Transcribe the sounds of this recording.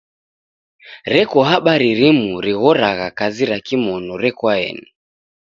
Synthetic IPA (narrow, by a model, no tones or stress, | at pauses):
ɾɛkɔɦaɓaɾiɾimuɾiɣɔɾaɣakaziɾakimɔnɔɾɛkwaɛ̰nɛ